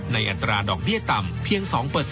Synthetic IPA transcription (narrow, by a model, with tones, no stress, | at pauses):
na˧jʔa˧t̪ːɾaː˧dɔː˨˩k̚bi˥˩ət̪a˧mpʰi˧əŋsɔː˩˦ŋpɤː˨˩t̪̚